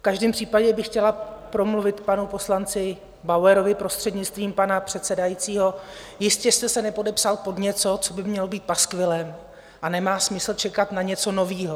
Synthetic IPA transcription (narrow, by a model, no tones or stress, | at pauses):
fkaʒdɛːmpr̝̥iːpaɟɛbɪxcɛlapɾo̞mluvɪt̪panupo̞slant͡sɪ | bawɛɾo̞vɪpɾo̞st̪r̥ɛdɲɪt͡st̪viːmpanapr̝̥ɛt̪sɛdajit͡siːɦo̞ | jɪscɛst̪ɛsɛnɛpo̞dɛpsalpo̞dɲɛt͡so̞t͡so̞bɪmɲɛlobiːt̪̚paskvɪlɛm | ʔanɛmaːsmɪsl̩t͡ʃɛkat̪naɲɛt͡so̞no̞viːɦo